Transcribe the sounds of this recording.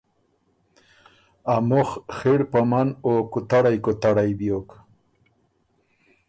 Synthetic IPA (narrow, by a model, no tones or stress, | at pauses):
amʊχxeɽpamanokʊt̪aɽajkʊt̪aɽajbjok